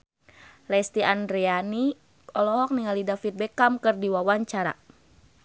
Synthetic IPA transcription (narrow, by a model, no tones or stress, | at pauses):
lɛst̪iʔandɾɛani | ɔlɔɦɔk̚niŋalidafit̪̚bɛkamkɨrdiwawaɲt͡ʃaɾa̰